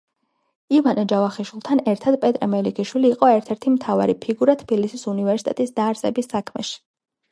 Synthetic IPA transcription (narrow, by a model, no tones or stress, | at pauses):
ivanad͡ʒavaχiʃwilˠt̪ʰanɛɾt̪ʰad̪pʼɛt̪ʼɾɛmɛlikʰiʃwiliːqʼɔɛɾt̪ʰɛɾt̪ʰimt̪ʰava̰ɾipʰiɡuɾat̪ʰb̥ilisisunivɛɾsit̪ʼɛ̰t̪ʼisd̪aːɾsʼɛbisːakʰmɛ̰ʃi̥